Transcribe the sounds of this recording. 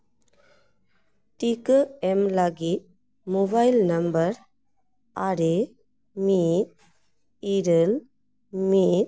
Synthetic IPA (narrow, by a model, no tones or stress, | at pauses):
ʈikəemlaɡit̪̚ | mobajlnəmbəɾ | aɾe | mit̪̚ | iɾəl | mit̪̚